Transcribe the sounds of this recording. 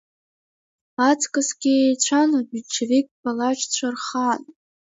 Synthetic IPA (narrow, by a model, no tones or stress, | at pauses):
at͡sʰʼkʼasɡʲiejt͡ɕʷʰanabyt͡ʃʰevikʲʼpalat͡ʃʰʼt͡ɕʷʰarχan